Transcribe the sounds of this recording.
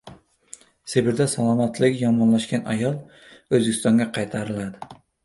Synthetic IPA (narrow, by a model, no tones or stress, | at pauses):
sebɪɾd̪asalˠɒmat̪lɪkʲjɒmɒnlaʃkʲana̰jɒlˠ | ɵzbekʲst̪ɒŋɡʲaqʰɑjt̪ʰaɾɪlad̪ɪ